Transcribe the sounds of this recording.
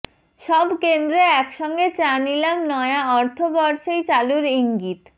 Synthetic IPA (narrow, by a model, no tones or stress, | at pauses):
ʃɔbkend̪ɾeɛkʃɔŋɡet͡ɕanilamnɔeaɔɾt̪ʰobɔɾʃejt͡ɕaluɾiŋɡit̪